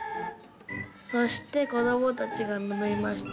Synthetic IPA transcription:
so̞ɕi̥t̪e̞ko̞d̪o̞mo̞t̪at͡ɕiɡamɯmɯimaɕi̥t̪

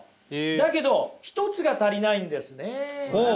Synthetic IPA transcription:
d̪ake̞d̪o̞çi̥t̪o̞t͡sɨɡat̪aɾʲinaĩnd̪e̞sɨne̞o

